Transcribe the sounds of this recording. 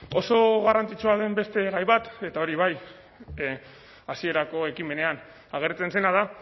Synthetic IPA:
o̞so̞ɣarant͡sit͡ʃuaðe̞mbe̞st̪e̞ɣajβat̪e̞t̪aoɾiβaj | asie̞ɾako̞ekime̞ne̞an | aɣ̞e̞ɾt͡se̞nse̞nað̞a

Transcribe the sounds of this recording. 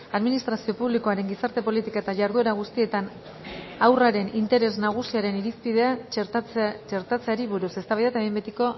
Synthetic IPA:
aðminist̪ɾasio̞puβliko̞aɾe̞ŋɡisaɾt̪e̞po̞lit̪ikaet̪aʝaɾðue̞ɾaɣ̞ust̪ie̞t̪an | awraɾe̞nint̪e̞ɾe̞znaɣ̞usiaɾe̞niɾispið̞e̞a | t͡ʃe̞ɾt̪at͡se̞aɾiβuɾusest̪aβajðet̪aembet̪iko̞

